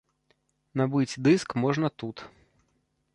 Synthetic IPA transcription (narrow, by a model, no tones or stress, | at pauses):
nabɨt͡sʲd̪ɨskmɔʐnɐt̪ut̪